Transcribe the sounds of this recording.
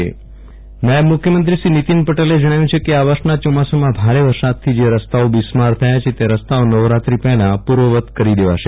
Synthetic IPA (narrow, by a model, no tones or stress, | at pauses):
ḛ | najəbmʊkʰjəmənt̪ɾiʃɾinit̪inpəʈeled͡ʒəɽ̃ajũt͡ʃʰekeaʋaʃnat͡ʃɔmasomãbʱaɾeʋəɾsad̪̚t̪ʰid͡ʒeɾəst̪aobismaɾt̪ʰəjat͡ʃʰet̪eɾəst̪aonəʋɾat̪ɾipɛɦlãpuɾʋəʋət̪kəɾid̪eʋa̰ʃe